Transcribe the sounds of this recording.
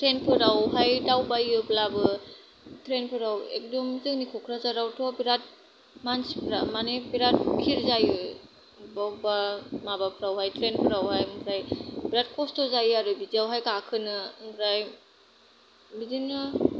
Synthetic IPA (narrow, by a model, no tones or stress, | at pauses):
tɾenpʰɯɾawɦajdawbajɯblabɯ | tʰɾenpʰɯɾawḛk̚dɔmzɯŋnikʰɔkʰɾazaɾawtʰɔbiɾat̚ | mansipʰɾamanebiɾat̚kʰiɾzajɯ | babamabapʰɯɾawɦajtʰɾenpʰɯɾawhajmbʰɾajbiɾat̚kɔstɔzajaɾɯbiziawɦajkakʰɯnɯmbɾaj | bizinɯ